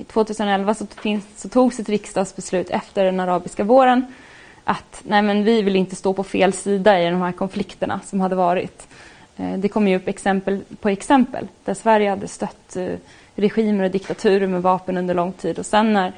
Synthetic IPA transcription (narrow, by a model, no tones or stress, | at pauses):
ɪt̪ʰv̥oːt̪ʰʉ̟ːsənɔɛlvasɔfɪnsɔt̪ʰuːɡsɛt̪ɾɪkst̪ɑːd̪sbɛslʉ̟ːt̪ʰɛ̰ft̪əɖɛnaɾɑːbɪskavoːɾən | ʔat̪næɪmɛnvɪvɪlɪnt̪əst̪oːpʰɔfeːlsiːd̪aɪd̪ɔmhæːɾkʰɔnflɪkt̪əɳa̰sɔmhad̪ːəvɑːɾɪ̰t̪ | d̪ɛkʰɔmːjɵɵpːɛksɛmpəlpʰɔɛksɛmpə̰ld̪̥æʂvæɾjəhad̪ːəst̪œt̪ː | ɾɛɧiːməɾɔd̪ɪkt̪at̪ʰʉ̟ːɾəɾmɛvɑːpənɵnd̪əɭɔŋt̪ʰiːd̪ɔsɛnːæɾ